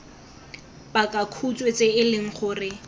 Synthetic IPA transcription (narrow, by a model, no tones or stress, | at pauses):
pakʼakʰut͡sʼwet͡sʼeɪlɪŋ̩χʊːrɪ